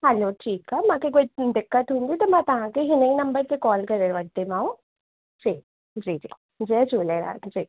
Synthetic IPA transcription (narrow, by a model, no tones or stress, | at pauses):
ɦɛloːʈʰiːkːamãːkekoːid̪ɪkːət̪ɦʊ̃ːnd̪it̪omɛ̃t̪ɐɦãkeɦɪnẽinɐ̃mbəɾk̪ekɔːlkɐɾeɾʋəɡ̚t̪emãːũ | d͡ʒiː | d͡ʒiːd͡ʒḭː | d͡ʒiːd͡ʒuːleːɾa̰ːd͡ʒiː